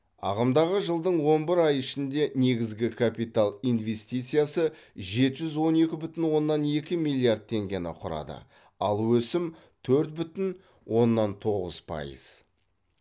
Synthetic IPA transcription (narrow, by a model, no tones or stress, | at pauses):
ɑ̰ʁəmd̪ɑʁəʒəlˠd̪əɴwo̞nbɪɾɑjɪʃɪnd̪e̞ne̞ɡʲɪzɡʲɪkʰapijt̪alˠijnve̞st̪ijt̪sɨjasəʒe̞t̪ɪʒʏzwo̞ne̞kʲɪbʏt̪ɪnwo̞nːɑne̞kʲɪmijlʲˠijard̪̚t̪ʰe̞ŋɡʲenɪ̰qʰʊɾɑ̰d̪ə̰ | ɑlˠwɵsɪm | t̪ʰɵɾt̪̚bʏt̪ɪn | wo̞nːɑnt̪ʰo̞ʁə̰z̥pʰɑ̰jḭz̥